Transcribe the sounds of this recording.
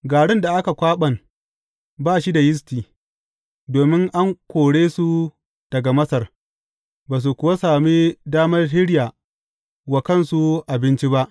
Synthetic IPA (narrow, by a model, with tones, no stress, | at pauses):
ɡaː˨ɽɪ˦nda˨ʔa˦ka˨kʷaː˦ɓɐ˨n | baː˦ʃi˦da˨jɪ˦s̬tiː˨ | doː˨mɪ˦ŋʔa˦ŋkʷoː˨ɽeː˦su˦ | d̥ɐ˨ɡa˨mɐ˦sɐ˨r | baː˨s̬u˨kʷʊ˨wa˦saː˨mi˦daː˦mɐ˦rhɪ˦ɽjaː˨ | wa˨kɐ˦nsu˦ʔa˨bɪ˦nt͡ʃi˦ba˦ʔ